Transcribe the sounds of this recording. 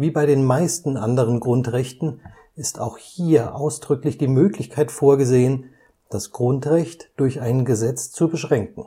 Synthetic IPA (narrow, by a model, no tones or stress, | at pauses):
viːbaɪɾeːnmaɪstn̩ʔandəʁ̞ənɡʁʊntʁɛçtn̩ | ɪstʰa̰ʊxhiːɐʔaʊsd̥ʁʏklɪçd̥iːmøːklɪçkʰaɪtfoːɐɡəzeːən | d̥asɡ̥ʁʊntʁ̥ɛçtd̥ʊɐçʔaɪnɡəzɛt͡st͡subəʃʁ̥ɛŋk̚ŋ̩